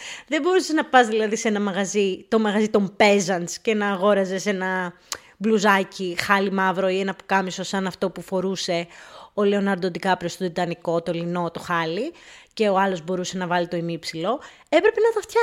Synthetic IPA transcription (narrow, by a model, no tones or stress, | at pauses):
ðe̞bo̞ɾuseznɐpɐzðilɐðise̞nɐmɐɣɐzit̪o̞mɐɣɐzit̪o̞mpe̞zɐnscenɐːɣo̞ɾɐze̞se̞nɐ | bluzɐcixɐlimɐvɾo̞ienɐpu̥kɐmiso̞sɐnɐft̪o̞pufo̞ɾuse̞o̞le̞o̞nɐɾd̪od̪ikɐpɾost̪ot̪it̪ɐniko̞t̪olino̞t̪o̞xɐlice̞oɐlo̞zbo̞ɾuse̞nɐvɐlit̪o̞imipsilo̞ | e̞pɾe̞pe̞nɐt̪ɐft̪çɐ